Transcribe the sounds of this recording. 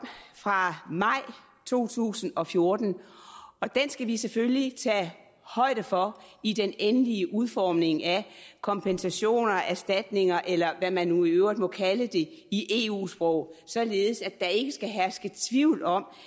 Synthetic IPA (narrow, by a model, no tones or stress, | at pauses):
fʁɑ̈mɑ̈ɪ̰ | t͡sʰo̝̰ːt͡sʰṵːsn̩ɒ̽fjo̝ɐd̥n̩ɒ̽d̥ensɡ̥æʋisefølit͡sʰɛ̰ː | hɒ̽ɪ̰ɾ̥əfɒ̽id̥enenəliəʔuð̞ˠfɒːmne̝ŋækʰɒ̽mpʰensæɕo̝̰ːnɐæɐsd̥æd̥ne̝ŋɐʔelɐʋæmænːuiøʊ̰ʁid̥mɒ̽kʰæləd̥e̝iʔe̝̰ṵːsb̥ʁɔʊ̰sɒ̽le̝ːð̩ˠəsæd̥ɑ̈e̝ɡ̥əsɡ̥æɦæɐsɡ̥ət͡sʰʋiʊ̰lɒ̽m̰